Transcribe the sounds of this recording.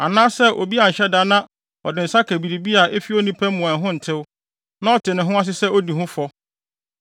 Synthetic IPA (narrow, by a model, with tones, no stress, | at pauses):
a̰˨nãː˦sɛ˦ʔo̰˨bi˦a˨n̩˨ɕɛ˦da˦nã˦ | ɔ˨dɪ˨n̩˨sa˦kʰæ˨bi˨ɾi˨bi˦a˨ʔe˦fi˦o˦nĩ˦pʰæ̃˦m˦mũ˨ã˨ɦʊ̃˦n̩˨tʰɪ˦w | nã˦ɔ˦˨tʰɪ˨nɪ̃˨ɦʊ̃˦a˦s̬ɪ˦sɛ˦o˦di˨ɦʊ̃˦fɔ˦